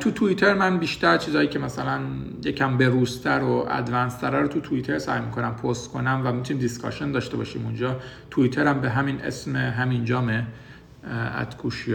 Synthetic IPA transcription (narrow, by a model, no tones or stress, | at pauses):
t̪ʰut̪ʰuit̪ʰeɾmænbiːʃt̪æɾt͡ʃʰiːzɒːjiːcʰemæsælæn | jecʰæmbe̞ɾuːst̪ʰæɾoʔæ̰d̪vænst̪ʰæɾɒɾot̪ʰut̪ʰuit̪ʰe̞ɾsæ̰jmikʰo̞næmpʰost̪kʰo̞næmvæmit̪ʰuniːmd̪iskɒ̰ʃend̪ɒːʃt̪e̞bɒ̰ːʃḭːmund͡ʒɒː | t̪ʰuit̪ʰeɾæmbe̞ɦæminḛsmeɦæmind͡ʒɒːme | æ̰t̪kʰuʃij